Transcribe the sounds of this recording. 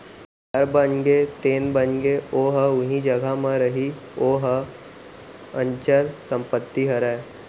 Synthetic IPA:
ɦəɾbənɡet̪eːnbənɡeoːɦəʊɦĩd͡ʒəɡʱamãɾəɦi | oːɦə | ə̃ɲt͡ʃəlsə̃mpət̪ːiɦəɾae

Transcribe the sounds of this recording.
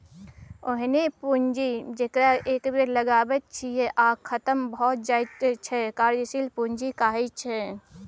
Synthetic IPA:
ʊɦnepund͡ʒid͡ʒekɾaʔeːkbeɾləɡaːbət̪̚t͡ʃʰijɛʔaːkʰːət̪əmbɔːt̪̚d͡ʒaːt͡ʃʰɛkaːɾd͡ʒisilpuɲd͡ʒikaːɦit͡ʃʰɛ

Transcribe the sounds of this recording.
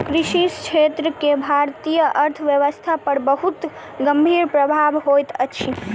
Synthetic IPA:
kɾiʃist͡ʃʰet̪ɾəkebʱaɾt̪ijəʔəɾt̪ʰəʋjəʋəst̪ʰapəɾbəɦut̪ | ɡəmbʱiɾpɾəbʱabɦojt̪ət͡ʃʰi

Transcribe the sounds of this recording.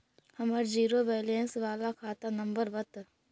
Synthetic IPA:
hɐməɾd͡ʒiːɾobeːlensʋaːlakʰaːt̪anəmbəɾʋət̪

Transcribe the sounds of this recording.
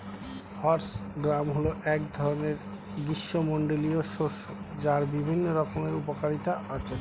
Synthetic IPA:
hɔɾsɡɾamɦoloʔɛkd̪ʱɔɾoneɾ | ɡiʃːomoɳɖolioʃoɾʃod͡ʑaɾbibʱinːoɾɔkomeɾupokaɾit̪aʔat͡ɕʰe

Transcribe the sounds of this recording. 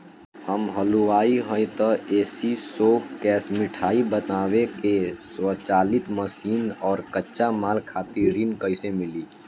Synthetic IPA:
həmɦəluaːiɦõjt̪ɔeːsisoːkkɛːsmɪʈʰaːibətaːwekeswət͡ʃaːlɪt̪məsiːnɔːɾkətːʃamaːlkʰaːt̪iɾinkəɪsemɪliː

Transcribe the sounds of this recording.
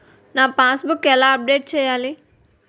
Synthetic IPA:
naːpãːsbukːɛlaəp̚ɖeːʈ̚t͡ʃʰejaːli

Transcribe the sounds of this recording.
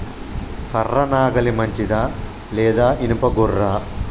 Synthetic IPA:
kɐrːɐnaːɡɐlimɐɲt͡ʃid̪aː | leːd̪aːʔinupɐɡurːa

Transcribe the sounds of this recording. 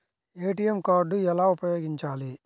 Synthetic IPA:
eːʈijemkaːɾɖuɛlaːupɐjo̞ːɡiɲt͡ʃaːli

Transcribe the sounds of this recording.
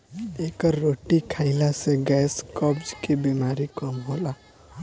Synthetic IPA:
ekəɾːoʈikʰaɪlaseɡɛskɔbd͡ʒkebimaɾikɔmɦola

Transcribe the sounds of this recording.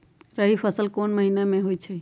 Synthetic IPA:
ɾəɦipʰəsəlkonməɦinamẽɦoit͡ʃʰɛ

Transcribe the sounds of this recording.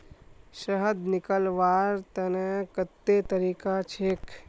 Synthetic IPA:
ʃɐɦəd̪nɪkəlʋaːɾt̪ɐnekɐt̪ːet̪ɐɾiːkat͡ʃʰeːk

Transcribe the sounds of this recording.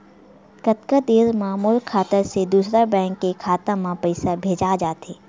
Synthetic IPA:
kət̪kad̪eːɾmãːmuːlkʰaːt̪əɾsed̪uːsɾabɛ̃ːŋkːekʰaːt̪ãmãpɐɪsabʱeːd͡ʒad͡ʒaːt̪eː

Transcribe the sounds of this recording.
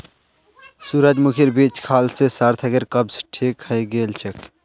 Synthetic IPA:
suɾəd͡ʒmukʰiɾbiːt͡ʃkʰaːlsesaɾt̪ʰəɡeɾkəbsʈʰikhəjɡeːlt͡ʃʰek

